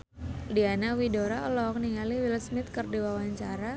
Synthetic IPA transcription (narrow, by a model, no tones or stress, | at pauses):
dianawidoɾaɔlɔk̚niŋaliwilsmɪt̪̚kərdiwawaɲt͡ʃaɾa